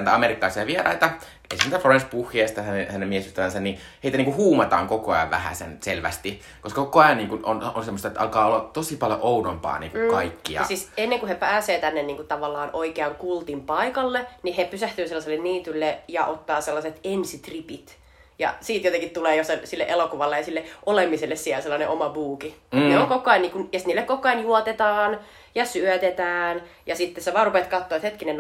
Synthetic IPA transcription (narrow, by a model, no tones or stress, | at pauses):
nːt̪æɑmerikːɑlɑˑisiɑʋierɑ̰it̪ɑ | ḛsimnet̪æfoenspuhːiest̪ɑhænehænemiesjuhst̪æʋænsɑnni | heit̪æniːŋkuhuːmɑt̪ɑ̰ːŋkokoɑ̰jɑ̰ʋʋæ̰hæ̰sḛnselʋæ̰st̪i | koskɑkokoɑjɑnniːŋkunononsemːost̪ɑet̪ːʔɑlkɑːolːɑt̪osipɑljo̰ʔounompɑ̰ːnḭːŋkukɑikːiɑɑ̰siːsenːeŋkuhepæːseːt̪ænːenniːŋkut̪ɑʋɑlːɑːnʔoikeɑŋkult̪impɑikɑlːenihepysæht̪yːselːɑselːenniːt̪ylːejɑ̰ʔot̪ːɑːselːɑset̪ensit̪ripit̪ | jɑ̰siːt̪jot̪eŋkit̪t̪uleːjosesilːḛʔelokuʋɑlːejɑsilːeʔolemːiselːessiælselːɑneʔomɑbuːkieneoŋkokˑɑiniːŋkunjest̪niːlːekkokˑɑinjuot̪et̪ɑːn | jɑsyœt̪et̪æːn | jɑsit̪ːeseʋɑːrupet̪kɑt̪ːoɑet̪het̪kinen